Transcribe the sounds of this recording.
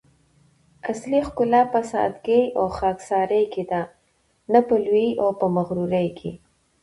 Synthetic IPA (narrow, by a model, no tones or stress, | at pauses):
aslixkʊlɑpəsa̰a̰t̪ɡejʔoxɑksɑɾəjked̪a | napəlwiʔawpəmaɣɾuɾajkʰḛ